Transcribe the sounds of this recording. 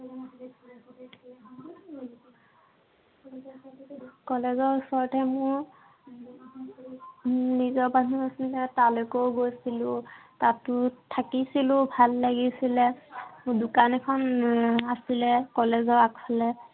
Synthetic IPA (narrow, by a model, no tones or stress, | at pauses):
kɔlɛzɔɹusɔɹɔtʰɛmʊɹ | nizɔɹbaniasilɛtalokowɡojsilʊ̃tatʊtʰakisilʊbʱalːaɡisilɛmʊ̃dʊkanɛkʰɔnasilɛkɔlɛzɔɹakpʰalɛ